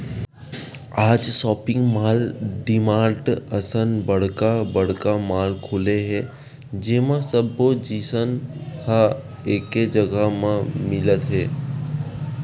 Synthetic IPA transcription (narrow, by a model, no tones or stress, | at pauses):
aːd͡ʒsɔːpɪ̃ŋɡmaːlɖɪmãːɾʈəsənbəɽ̤kabəɽ̤kamaːlkʰʊleɦɛ | d͡ʒeːmãsəbod͡ʒiːsənha | eːked͡ʒəɡəmãmɪlət̪ɦɛː